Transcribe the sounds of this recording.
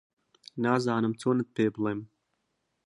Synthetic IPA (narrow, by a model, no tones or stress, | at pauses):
naːzaːnamt͡suːnat̪̚peːblˠem